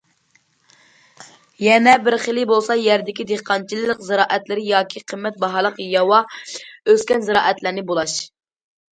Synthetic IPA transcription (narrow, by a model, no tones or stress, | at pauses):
jɛnɛbɪɾχelˠɪbolˠsɑjɛɾd̪ɪkʲid̪eχqʰɑnt͡ʃʰilˠɨlˠɨqzɨɾɑːʔɛt̪lɪɾɪjɑːkʲʰiqʰəmːɛt̪̚bɑɦɑlˠəqjɑwɑøskʲɛnzɨɾɑ̰ːʔɛt̪læɾnɪbolˠɑʃ